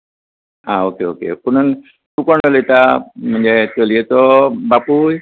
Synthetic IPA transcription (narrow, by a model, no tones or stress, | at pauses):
aːokeoːkḛʊn̤ənɪ | ʈʊkəɽ̃olet̪amʊ̃ɦɲd͡ʑet̪oliet̪obapuɦui